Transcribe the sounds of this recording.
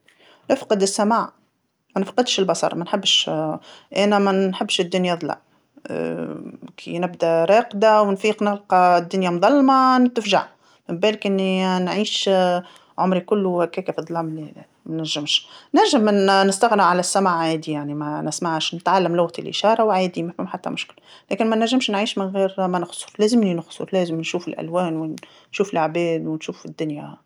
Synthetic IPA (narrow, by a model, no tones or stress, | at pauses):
nɪfqɨd̪ɪsːamaːʕ | mænfqɑd̪ʃɪlbɑsˤɑ̰ɾˤmænħɪbːʃ | ʔæːnæmænħɪbːʃɪd̪ːʊnjaðˤlɑ̰ | kʰinɪbd̪æɾˤɑːqd̪awnfiːqnɪlqɑd̪ːʊnjamðˤɑlːmɑnt̪ːfʒa̰ʕ | mɪmbɛːlɪkʔɪnːinʕiːʃ | ʕʊmɾikʊlːuhækːæːkæfid̪ˤlɑːmli | mænæʒɪmʃnɪɾʒamnɪst̪aɣnɪʕalæsːamaʕʕaːd̪ijaʕnimɛnɪsmaʕʃnɪt̪ʕalːæmlʊɣt̪ɪlʔɪ̰ʃɑːɾˤɑwʕaːd̪imæfɪmħat̪ːæ̰mʊʃkɪllæːkɪnmænːæʒːɪmʃnʕiːʃmɪnɣiːɾmænɑxsˤʊɾˤlæːzɪmninʊxsˤʊ̰ɾˤlæːzɪmnʃuːfɪlʔæ̰lwɛːnwɪn | ʃuːfɪlʕbæːd̪wɪnʃuːfɪd̪ːʊnjæ